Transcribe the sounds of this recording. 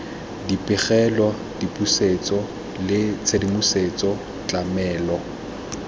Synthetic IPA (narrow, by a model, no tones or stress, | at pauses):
dipʼɪχɛlwa | dipʼuset͡sʼɔ | lɪt͡sʰedimuset͡sʼɔ | t͡ɬʼamɛːlɔ